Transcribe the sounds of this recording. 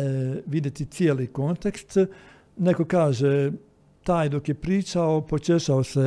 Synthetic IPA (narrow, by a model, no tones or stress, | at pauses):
ʋid̪ʲjet̪ʲit̪sielikont̪ekst̪ | nekokaːʒe | t̪aːjd̪okjepɾiːt͡ʃaopot͡ʃeʃaose